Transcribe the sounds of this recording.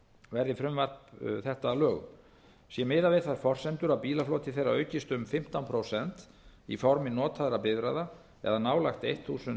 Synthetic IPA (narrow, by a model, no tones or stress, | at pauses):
vɛɾðɪfɾʏmvar̥pθɛht̪aːlœːɣʏ̰m | sjɛmɪːðavejðθaɾ̥fɔr̥sɛnt̪ʏɾawpiːlaflɔːt̪ɪθejrːaœːɥcɪst̪ʏmfɪm̥t̪anpʰɾowsɛnt̪ | ḭfɔɾmɪnɔːt̪ʰaðɾapɪðvɾajða | ɛ̰ðanaːwlajxt̪ejht̪θuːsʏn